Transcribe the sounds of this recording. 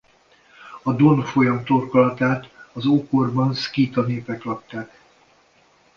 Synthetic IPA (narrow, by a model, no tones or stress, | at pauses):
ɒd̪o̞nfo̞jɒmt̪o̞rkolɒt̪aːt̪ɒzokorbɒnskiːt̪ɒneːpɛklɒp̚t̪aːk